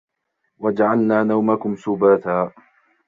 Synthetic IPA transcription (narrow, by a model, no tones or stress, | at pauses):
wad͡ʒaʕalnaːnawmakʊmsʊbaːθaː